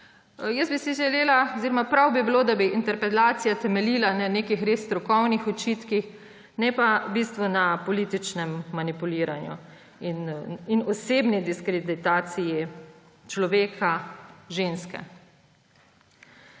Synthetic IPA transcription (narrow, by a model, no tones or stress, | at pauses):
jɛsbisiʒɛleːlaoziɾɔmapɾawbibiloːd̪abiʔint̪ɛɾpɾɛt̪aːt̪sijat̪ɛmɛlilananeːkixɾeːsːt̪ɾukɔwnixɔt͡ʃit̪kix | nɛpabist̪ʋunapɔliːt̪it͡ʃnɛmːanipuliːɾanjṵ | inːnɔseːbnid̪iskɾed̪it̪aːt̪siji | t͡ʃlɔʋeːkʰaʒeːnskɛ̰